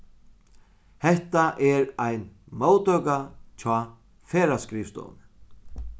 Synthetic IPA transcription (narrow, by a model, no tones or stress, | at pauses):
hɛht̪aʔɛɾajnmoːwt̪œkat͡ɕʰɔː | fɛːɾaskɾɪft̪o̰ːn